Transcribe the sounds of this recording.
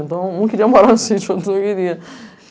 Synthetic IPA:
ẽnt̪ɐ̃w̃nɐ̃w̃kɪɾiɐmaɾaɾnusit͡ʃuɐ̃nt̪nɐ̃kɪɾiɐ

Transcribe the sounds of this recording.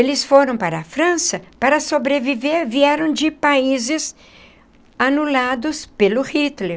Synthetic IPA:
elɪsfoɾɐ̃w̃paɾɐːfɾɐ̃sɐpaɾɐsobɾeviveɾviɛɾɐ̃w̃d͡ʒɪpaizɪs | anulad̪ʊspelʊhit̪le

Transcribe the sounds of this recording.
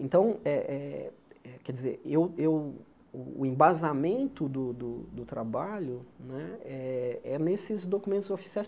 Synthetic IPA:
ẽnt̪ɐ̃w̃ɛʔɛɛkɛd͡ʒizḛɾewew | ʊ̰ːẽbazamẽnt̪ʊd̪ʊd̪ʊd̪ʊt̪ɾabaʎʊnɛɛɛnesɪzd̪okumẽnt̪ʊzofi̥siajs

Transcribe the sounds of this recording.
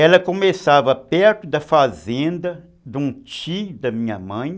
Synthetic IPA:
ɛlɐkomesavɐpɛɾt̪ʊd̪ɐfazẽnd̪ɐ | d̪ũt͡ʃiud̪ɐmĩɲɐmɐ̃j̃

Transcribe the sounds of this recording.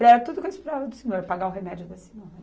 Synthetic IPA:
ɾɛɾɐt̪ud̪ʊkẽspɾɔvɐd̪ʊseɲoɾpaɡaʊɦemɛd͡ʒʊd̪ɐsi̥nõ

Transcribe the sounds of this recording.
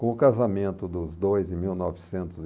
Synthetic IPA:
kõʊkazamẽnt̪ʊd̪ʊzd̪ojzɪmiwnɔvɪsẽnt̪ʊz

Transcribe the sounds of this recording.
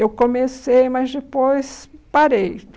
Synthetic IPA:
ewkõmesejmɐzd͡ʒepojspaɾej

